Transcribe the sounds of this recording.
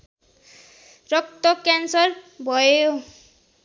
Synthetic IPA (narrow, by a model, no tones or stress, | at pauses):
rʌk̚t̪ʌkjansʌrbʱʌjo